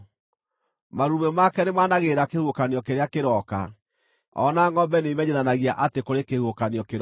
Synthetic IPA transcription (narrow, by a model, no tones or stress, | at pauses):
maɾumɛmakɛnemaːnaɣeɾakehuokaniɔkeɾeakeɾɔka̰ | ɔ̰naŋɔbɛnemɛɲeðanaɣiaʔatekoɾekehuokaniɔkeɾ